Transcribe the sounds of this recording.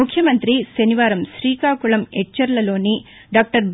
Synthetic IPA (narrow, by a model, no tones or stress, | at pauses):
ukʰːjɐmɐnt̪ɾiʃɐniʋaːɾɐmʃɾiːkaːkuɭɐmɛʈt͡ʃːɐɾlɐlo̞ːni | ɖaːk̚ʈɐɾb